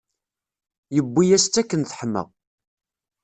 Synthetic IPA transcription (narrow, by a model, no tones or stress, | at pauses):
jəbːijæst͡s̪ːækːənθħəmːə̰ʁ